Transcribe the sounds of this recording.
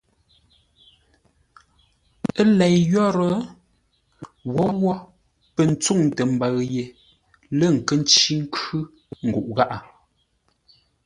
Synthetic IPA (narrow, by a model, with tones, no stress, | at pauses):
ə˦lɛ˨jjɔ˦ɾə˨˦ | wɔ˨˦wɔ˦ | pə˨n̩˨t͡su˦˨ŋtə˨m̩˨ba˨ɣje˨ | lə˦˨ŋ̩˨kə˦n˦t͡ʃi˦ŋ̩˦kʉ˦ | ŋ̩˨ɡu˨ʔɣa˦ʔa˨